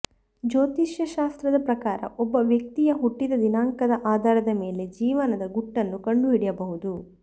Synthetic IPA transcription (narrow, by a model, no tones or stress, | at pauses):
d͡ʒoːt̪iʃjɐʃaːst̪ɾɐd̪ɐpɾɐkaːɾɐ̰ʔɔbːɐʋjɐk̚t̪ijɐɦuʈːid̪ɐd̪inaːŋkɐd̪ɐʔaːd̪aːɾɐd̪ɐme̞ːle̞d͡ʒiːʋɐnɐd̪ɐɡuʈːɐnːukɐɳɖuɦiɽɛjɐbɐɦud̪u